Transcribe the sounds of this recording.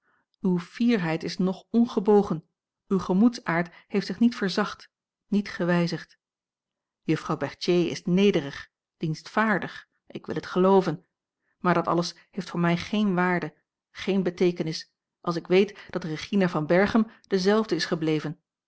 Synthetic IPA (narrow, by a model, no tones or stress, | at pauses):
ywv̥iːɹɦɛjtɪsnɔχɔnχəbowχən | ywχəmutsaːɹthejftsɪχnitfəɹzɑχt | nitχəʋɛjzəχt | jɵfrɑwbɛɹtjejɪ̰snejdərəχ | d̥instfaːɹdəχ | ʔɪ̰kʋɪ̰lˠɦətχəlowvən | maːɹdɑtɑ̰ləs | hejftfʊːɹmɛjχejnʋaːɹdə | χejnbətejkənɪs | ʔɑlˠsɪkʋejtd̥ɑt̚dəreχinavɑnbɛɹχəmd̥əzɛlˠvdəɪsχəblejvən